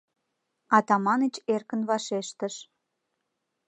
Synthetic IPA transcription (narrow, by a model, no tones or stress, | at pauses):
ɑt̪ɑmɑnət͡ɕerkənβɑʃeʃt̪əʃ